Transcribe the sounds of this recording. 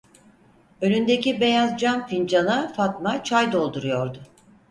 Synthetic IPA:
ølʲynd̪e̞cibe̞jazd͡ʒanfind͡ʒanafat̪mat͡ʃʰajd̪o̞lˠd̪uɾujo̞ɾd̪ʊ

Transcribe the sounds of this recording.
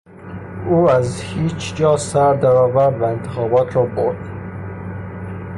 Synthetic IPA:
uːæzhiːt͡ʃʰd͡ʒɒːsæɾd̪æɾɒːvæɾvæent̪ʰe̥xɒːbɒːt̪ʰɾɒːboɾd̪̥

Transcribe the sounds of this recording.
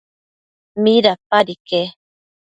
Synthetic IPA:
miɾapaɾike

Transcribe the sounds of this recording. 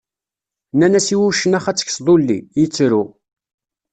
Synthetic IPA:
nænæsiwuʃːənæχæt͡sːə̥çsðˤolːḭjət͡sːɾu

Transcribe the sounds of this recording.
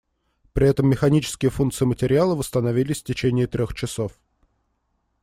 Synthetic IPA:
pɾʲɪɛt̪əmːʲɪxɐnʲit͡ɕɪ̥skʲɪjəfunt̪sɨɪmətʲɪɾʲɪalˠəvəst̪ənɐvʲilʲɪsʲftʲɪt͡ɕenʲɪːt̪ɾʲoxt͡ɕɪso̞f

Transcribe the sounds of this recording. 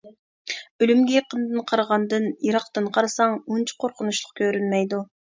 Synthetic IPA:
ølymɡʲɛjɑqənd̪ɨnqʰɑɾʁɑnd̪ɨnjiɾɑqt̪ɨnqʰɑɾsɑŋunt͡ʃʰu̥qʰoɾqʰʊnuʃlˠʊq̚kʲʰøɾynmɛjd̪u

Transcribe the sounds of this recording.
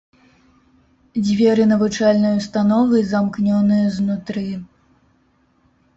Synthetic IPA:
d͡zʲvʲɛɾɨnɐvut͡ʂalʲnɨjust̪anɔvɨzamknʲɔnɨjɐznut̪ɾɨ

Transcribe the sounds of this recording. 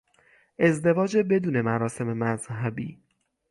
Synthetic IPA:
ʔe̞zd̪e̞vɒːd͡ʒe̞be̞d̪uːne̞mæɾɒːse̞memæzɦæbḭː

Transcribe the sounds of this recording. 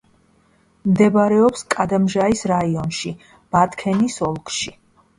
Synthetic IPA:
md̪ɛbɾɛɔpskʼad̪amʒaisɾaiɔnʃi | b̥at̪ʰkʰɛnisɔlˠkʼʃi

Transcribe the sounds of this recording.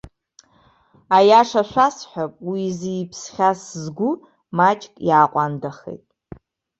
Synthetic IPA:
ajaʂaʃʷasħʷapʼwiziːpʰsχʲaszɡʷʊ | mat͡ʃʼkʼjaːqʷʼandaχḛjtʼ

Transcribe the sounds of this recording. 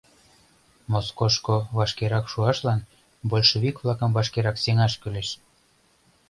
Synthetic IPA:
moskoʃkoβɑʃkeɾɑkʃuɑʃlɑn | bolʲʃoβikvlˠɑkə̆mvɑʃkeɾɑkseŋɑʃkyleʃ

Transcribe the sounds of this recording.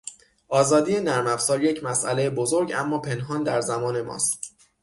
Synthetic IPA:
ʔɒːzɒːd̪ije̞næɾmæfsɒːɾje̞cʰmæsʔælejebozoɾɟæ̰mːɒːpʰe̞nɦɒːnd̪æɾzæmɒːne̞mɒ̰ːst̪

